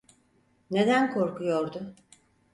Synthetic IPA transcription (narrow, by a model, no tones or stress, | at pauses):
ne̞d̪ænkʰo̞ɾkujo̞ɾd̪ʊ